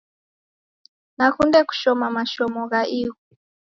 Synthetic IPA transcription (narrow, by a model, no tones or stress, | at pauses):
nakundɛku̥ʃɔmamaʃɔmɔɣaʔiɣɔ